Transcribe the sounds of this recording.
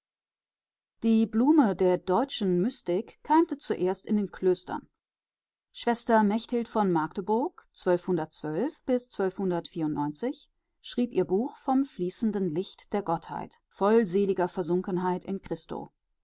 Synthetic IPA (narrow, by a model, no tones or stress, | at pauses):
d̥iːbluːmədeːɐdɔʏt͡ʃn̩mʏstɪkʰːaɪmtət͡suʔeːɐstɪndeːnkʰløːstʰɐ̰n | ʃv̥ɛstɐmɛçthɪltfɔnmaɐktəbʊɐkt͡sv̥œlfhʊndɐt̚t͡sv̥œlfb̥ɪst͡sv̥œlfhʊndɐtfiːɐʊntnɔʏnt͡sɪç | ʃʁ̥iːpʔiːɐbuːxfɔmfliːsn̩dən̩lɪçtd̥eːɐɡɔtha̰ɪtfɔlzeːlɪɡɐfɛɐzʊŋkən̩ɦaɪtɪnkʁ̥ɪsto̰ː